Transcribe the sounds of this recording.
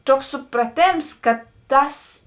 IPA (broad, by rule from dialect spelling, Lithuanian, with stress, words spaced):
ˈtuɔks sʊprɐˈtʲeːms kɐ ˈtɐs